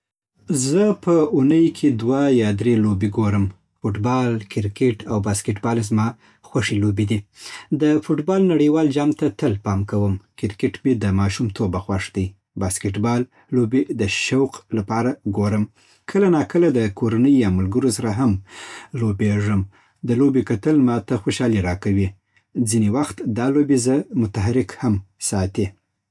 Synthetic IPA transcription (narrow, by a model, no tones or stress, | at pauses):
zəpəunəjkʰed̪wajɑd̪ɾelobeɡoɾəm | foʈbɑlkɪɾkeʈawbaskɪʈbɑlezmɑ | xwaʂelobed̪id̪əfoʈbɑlnaɽəjwɑld͡ʒɑmt̪at̪əlpɑmkawəmkɪɾkeʈbed̪əmɑʃumt̪ʰobaxwaʂd̪əj | baskɪʈbɑlː | obed̪əʃawqlapɑɾaɡoɾəm | kʰəlanɑkəlad̪əkoɾanəjːɑmʊlɡəɾosaɾaɦamlobeʐəm | d̪əlobekat̪əlmɑt̪axoʃɑliɾɑkawi | d͡zinewaxt̪d̪ɑlobezəmʊt̪aɦaɾɪkhamsɑt̪e